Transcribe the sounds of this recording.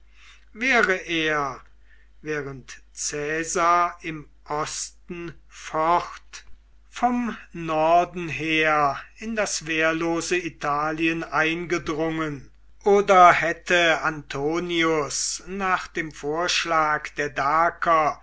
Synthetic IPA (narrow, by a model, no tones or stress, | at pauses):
vɛːʁəʔeːɐ | vɛːʁəntt͡sɛːzaːɪm | ʔɔstn̩fɔχt | fɔmnɔɐdn̩ɦeːɐɪndasv̥eːɐloːzəitʰaːliənʔaɪnɡədʁʊŋən | ʔoːdɐhɛtʰəantʰoːniʊsnaːχd̥eːmfoːɐʃlaːkd̥eːɐdaːkʰɐ